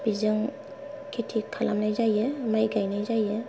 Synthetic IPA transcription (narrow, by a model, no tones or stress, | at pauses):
b̥izɯŋ | kʰitʰikʰalamnajzajɯmajɡajnajzajɯ